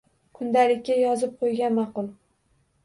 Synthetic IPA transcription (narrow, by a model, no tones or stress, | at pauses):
kʰʊnd̪alɪkʲːajɒzɪp̚qʰojɡʲanmɑqʊlˠ